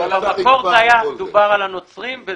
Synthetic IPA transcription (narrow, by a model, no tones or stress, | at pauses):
bamako̞ʁzajamed̪ubaʁalano̞t͡sʁimve